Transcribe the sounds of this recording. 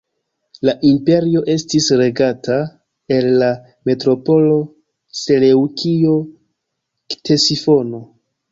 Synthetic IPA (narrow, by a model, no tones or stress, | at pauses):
laʔimpe̞ɾio̞ʔe̞stisɾe̞ɡata | e̞lːa | me̞tɾo̞po̞lo̞ | se̞le̞wkio̞ | tʰe̞sifo̞no̞